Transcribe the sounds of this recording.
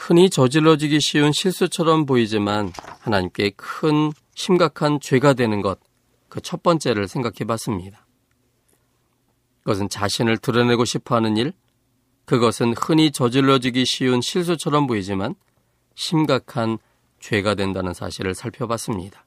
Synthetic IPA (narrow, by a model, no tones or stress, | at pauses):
hɯɲit͡ɕʌd͡ʑiɾːʌd͡ʑiɡiɕʰiunɕʰiɭs͈ut͡ɕʰʌɾʌmpoid͡ʑimanhanaɲimk͈e̞kʰɯn | ɕʰimɡakʰant͡ɕwe̞ɡadwe̞nɯnɡʌt̚ | kɯt͡ɕʰʌt̚p͈ʌnt͡ɕ͈e̞ɾɯɭsʰe̞ŋɡakʰebas͈ɯmɲidḁ | iɡʌs̬ʰɯnt͡ɕaɕʰinɯɭtɯɾʌne̞ɡoɕʰipʰʌɦanɯniɭ | kɯɡʌsʰɯnhɯɲit͡ɕʌd͡ʑiɭːʌd͡ʑiɡiɕʰiunɕʰiɭs̬͈ut͡ɕʰʌɾʌmpoid͡ʑiman | ɕʰimɡakʰan | t͡ɕwe̞ɡadwe̞ndanɯnsʰa̰ɕʰiɾɯɭsʰaɭpʰjʌbas͈ɯmɲidḁ